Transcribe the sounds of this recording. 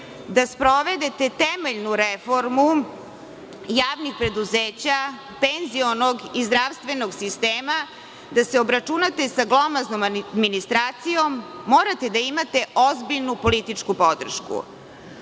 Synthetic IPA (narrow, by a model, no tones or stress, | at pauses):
d̪aspɾo̞ʋe̞d̪e̞t̪et̪emeʎnuɾefo̞ɾmu | jaːʋnixpɾe̞d̪uzeːt͡ɕa | penzio̞noɡizd̪ɾaʋst̪ʋe̞noɡsist̪eːma | d̪aseo̞bɾat͡ʃunat̪esaɡlˠo̞maznomd̪minist̪ɾaːt̪sijo̞mːoːɾat̪e̞d̪aimat̪e̞ʔo̞zbiʎnupo̞lit̪it͡ʂkupo̞d̪r̩ʃkṵ